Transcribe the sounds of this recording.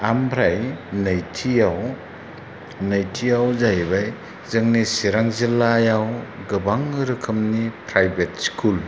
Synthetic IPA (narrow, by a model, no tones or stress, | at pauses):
ambʰɾajnajtʰijaw | nɐjtʰijawzajbaj | zɯŋnisiɾaŋzilːajawɡɯbaŋɯɾɯkʰɯmnipʰɾajbet̚skʰul